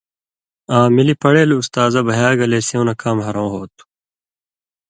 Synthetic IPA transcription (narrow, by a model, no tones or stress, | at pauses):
ãːmilipɐɽeːlust̪aːzɐbɐɦjaːɡɐleːseõnɐkaːmɦɐɾõːɦoːt̪ʰu̥